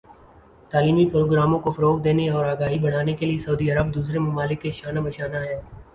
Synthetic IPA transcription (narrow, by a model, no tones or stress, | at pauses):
t̪aːliːmipɾoːɡɾaːmõkofɐɾoːk̚d̪eːneɔːɾaːɡaːɦibɐɽ̤aːnekeliesɐud̪iɐɾəb̚d̪uːsɾemʊmaːlɪkːeʃaːnabɐʃaːnaɦɛː